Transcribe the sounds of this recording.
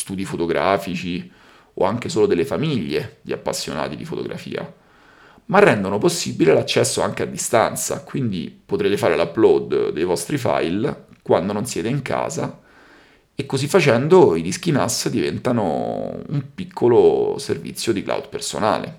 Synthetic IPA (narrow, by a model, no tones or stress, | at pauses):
st̪uːd̪ifot̪oɡɾaːfit͡ʃi | o̰aŋk̟esoːlod̪elːefamiʎːed̪ia̰pːasːjo̰na̰ːt̪id̪ifo̰t̪o̰ɡɾa̰fḭːa̰ | marːɛnd̪onoposːibilelat͡ʃːɛsːoaŋk̟ead̪ːist̪a̰nt̪sa̰kwind̪ḭpot̪ɾeːt̪efaːɾelaplɔd̪d̪ejvɔst̪ɾifa̰jlkwand̪ononsjɛːt̪eiŋka̰ːza | ekːozifːat͡ʃɛnd̪oid̪isk̟inasd̪ivɛnt̪ano̰ṵmpikʰːoloservḭt̪sjod̪ikla̰wd̪pḛrso̰na̰ːlḛ